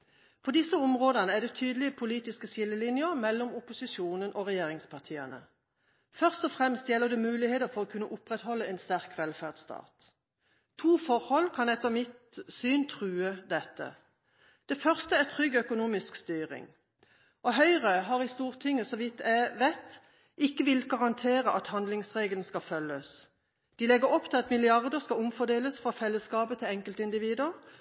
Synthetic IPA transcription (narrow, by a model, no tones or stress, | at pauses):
pʰoːd̪ɪsəʊmʁoːd̪ənəæd̪ɛt̪ʰyːd̪əlɪəpʰʊliːt̪ɪskəsɪlːəlɪnjəʁmɛlːɔmʊpʊsɪsuːnənʔoːʁɛjeːʁɪŋspʰɑʁt̪ʰiːənə̰ | fœʁst̪ɔfʁɛmst̪jɛlːəd̪ɛmʉːlɪheːt̪əʁfɔʁɔːkʰʉnːəʔʊpʁɛt̪hɔlːəɛɪnst̪æʁkʋɛlfæʁd̪st̪ʰɑ̰ːt̪ʰː | uːfɔʁhɔlkʰɑnɛt̪ːəʁmɪt̪syːnt̪ʰʁʉːəd̪ɛt̪ːə̰ | d̪̥ɛfœʁst̪əæt̪ʰʁʏɡːœkʊnuːmɪskst̪yːʁɪ̰ŋ | ʔɔɦœʏʁəɦɑːʁɪst̪uːʁt̪ʰɪŋːəsɔʋɪt̪ːæʋæɪt̪ | ʔɪkːəʋɪlɡɑʁɑnt̪ʰeːʁəʔɑt̪hɑnd̪lɪŋsʁeːɡəlnskɑfœlːəs | d̪̥ilɛɡəʁɔpːt̪ʰɪlɑt̪mɪlɪɑʁd̪əʁskɑʊmfɔd̪eːləsfʁɑfɛlːəskɑːbət̪ʰɪlɛŋkəlt̪əɪnd̪ɪʋiːd̪ʉəʁ